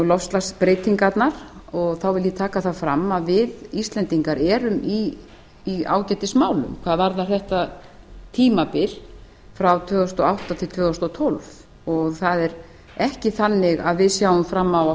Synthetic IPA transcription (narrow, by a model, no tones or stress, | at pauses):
lɔfst̪laspɾeːjt̪iŋkat̪naɾ̥ɔɣθawvɪljɪt̪ʰaːkaθaðfɾamːaðvɪðist̪lɛnt̪iŋkaɾɛːɾʏmiː | a̰ːwcɛt̪ɪsmaːwlʏ̰mkʰv̥aːðvaɾðarθɛht̪a | t̪ʰiːmapɪl̥ | fɾawt̪ʰvœːɣʏst̪ɔawht̪at̪ʰɪlt̪ʰvœːɣʏst̪ɔt̪ʰɔlv | ɔɣθaðɛɾ | ɛhcɪθanːɪɣaðvɪðsjaːwʏmfɾamːawa